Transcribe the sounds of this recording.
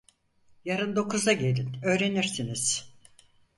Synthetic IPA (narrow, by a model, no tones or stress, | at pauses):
jaɾɯnd̪o̞kʰuzaɟe̞lʲinø̞ːɾe̞niɾsiniz̥